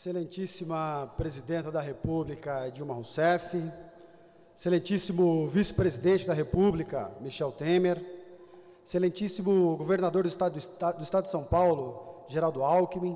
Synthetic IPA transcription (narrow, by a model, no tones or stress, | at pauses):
eselẽnt͡ʃisimɐpɾezid̪ẽnt̪ɐd̪ɐɦepublikɐd͡ʒiumahũsɛfi | eselẽnt͡ʃisimʊvisɪ̥pɾezid̪ẽnt͡ʃɪd̪ɐɦepublikɐ̰miʃɛwt̪ẽmeɾ | eselẽnt͡ʃisimʊɡoveɾnad̪oɾd̪ʊɪst̪asd̪ʊist̪ad̪ʊd̪ɪsɐ̃w̃pawlʊʒeɾawd̪ʊawkimĩ